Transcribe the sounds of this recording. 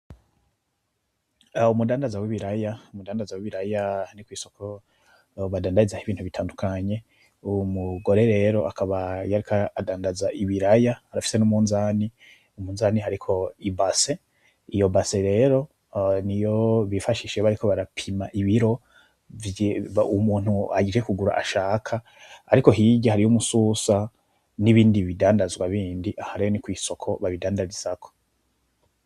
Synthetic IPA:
umudaːndazawiβiɾajaumudaːndazawiβiɾajanikwiːso̞ko | βadaːndaizahiβiːnthuβitʰaːndukʰaɲe̞ | umuɡo̞ɾe̞ɾe̞ɾo̞ʔakaβajaɾikʰaːdaːndazaʔiβiɾajaːɾafi̥se̞numuːnzaːni | umuːnzaːniɦaɾikʰo̞ibase̞ | ijo̞baseɾe̞ːɾo̞ | nijoβifaʃiʃeβaɾikʰo̞βaɾapʰimaʔiβiɾo̞ | vumuːn̥hua̰ɟid͡ʒekuɡuɾa̰ʔa̰ʃaːkʰaː | ɾiko̞ɦiɟahaɾijumususa | niβiːndiβidaːndazɡwaβiːndiʔahaɾejonikwiːso̞kʰo̞βaβidaːndazizakʰo̥

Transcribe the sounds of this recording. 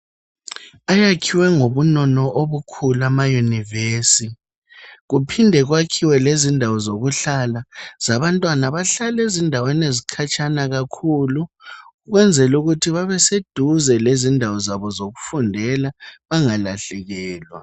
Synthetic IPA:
ajakʰiwɛŋoβunɔnɔʔoβukʰulamajunivesi | ɣupʰindʱɛɣwakʰiwɛlezindʱawɔzoɣuɬalaz̥aβantʼwanaβaɬalezindʱawanezikʰat͡ʃʰʼanaɣakʰuluː | ɣwɛnd͡zʱɛluɣutʰiβaβɛsed̥ʱuzɛlezindʱawɔzaβɔzoɣu̥fundʱɛlaβaŋalaɬɛɣɛːlwa̰

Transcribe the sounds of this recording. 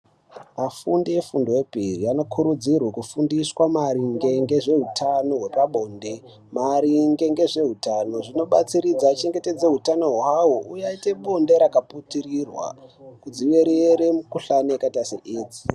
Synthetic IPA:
mafundiefundowepiriano̞kʰuɾud͡zirwakufundiswamaɾiŋɡe̞ŋɡe̞ʐe̞ɦutʰano̞ɦwepaɓo̞ːnde | maɾiŋɡe̞ŋɡe̞ʐe̞ɦutano̞ʐino̞ɓat͡siɾid͡zaːt͡ʃe̞ŋɡe̞te̞d͡ze̞ɦutano̞ɦoɦaɦoʔujaite̞ɓo̞nde̞ɾakaputirirwa̰kud͡ziwe̞ɾeɾemukuɬaneakataseʔiːd͡zi̥

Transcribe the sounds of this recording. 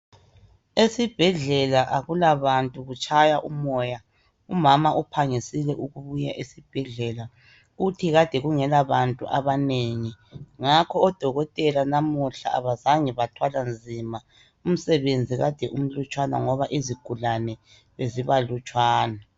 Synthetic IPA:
esib̥ʱɛɮɛlaʔaɣulaβantʼuɣut͡ʃʼajaʔumɔːja | umamaʔupʰaŋisilɛʔuɣuβujaʔesib̥ʱɛɮɛla | ɣutʰiɣad̥ʱɛɣuŋɛlaβantʼṵʔaβaneŋiŋakʰɔːd̥ʱɔɣɔtʼɛlanamuɬa̰a̰βazaŋɛβatʰwaland͡zʱima | um̩sɛβend͡zʱiɣad̥ʱɛʔum̩lut͡ʃʼwana̰ŋɔβaʔiziɡ̥ʱulanɛ | βeziβalut͡ʃʼwaːna

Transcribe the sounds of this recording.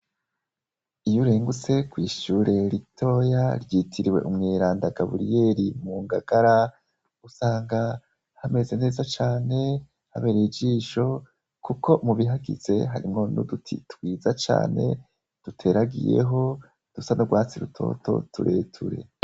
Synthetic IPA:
ijuɾe̞ːŋɡut͡se̞kwiːʃuɾe̞ɾitʰo̞ːjaɾjiːtʰiɾiwe̞̰ʔumŋeːɾaːndaɡaβuɾije̞ːɾimuːŋɡaɡ̥aɾa | usaːŋɡa | hame̞ze̞ne̞ːzat͡ʃaːne̞ | haβe̞ɾeid͡ʒiːʃo̞ | kukʰo̞muβiɦaɡḭze̞ɦaɾimŋo̞nṵdutʰḭtwiːzat͡ʃa̰ːne̞̰ | d̥utʰe̞ɾaɡḭje̞̰ɦo̞ | d̥usanoɡwaːt͡siɾutʰo̞̰to̞̰tuɾʔe̞ːtʰuɾe̞̰

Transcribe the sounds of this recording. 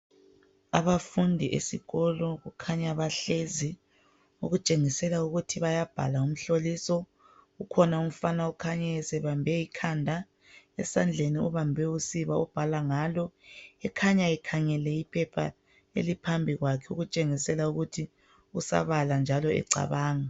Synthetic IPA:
aβafundʱiʔḛsḭɣɔlɔɣukʰaɲaβaɬezi | uɣut͡ʃʼeŋisɛlauɣutʰiβajab̥ʱa̰laum̩ɬolisɔ | ɣukʰɔnaum̩fanaukʰaɲɛɛsɛβambʱɛikʰandʱa | ɛsand͡ɮʱeniuβambʱɛusiβaub̥ʱalaŋaːlɔɛkʰaɲaɛkʰaŋɛlɛipʰɛpʰa̰ | ḛlipʰambʱiɣwakʰɛuɣut͡ʃʼeŋisɛlauɣutʰi | usa̰βaland͡ʒʱalɔɛ̰ǀa̰βaːŋa

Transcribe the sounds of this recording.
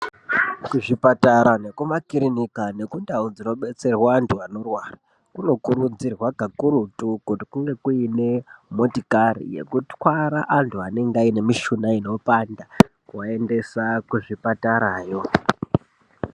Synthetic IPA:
kuʐipataɾane̞kumakiɾinikane̞kundaud͡zino̞ɓe̞t͡se̞rwaːntʰuano̞rwara | kuno̞kuɾud͡zirwaɡʱakuɾutukutikuŋɡe̞kuine̞motikarḭje̞̰kutwaɾaʔantʰuane̞ŋɡaine̞miʃunaino̞panda | wae̞nde̞sakuʐipataɾaːjo̞

